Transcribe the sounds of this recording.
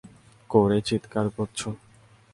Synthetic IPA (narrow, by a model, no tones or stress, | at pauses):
koɾet͡ɕit̪kaɾkoɾt͡ɕʰo